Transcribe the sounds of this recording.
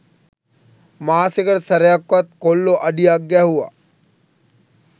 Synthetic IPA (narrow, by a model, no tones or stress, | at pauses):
maːsɪkəɾsɐɾjakːɐt̪̚koːlːoʔɐɖiaɡjaɦua̰ː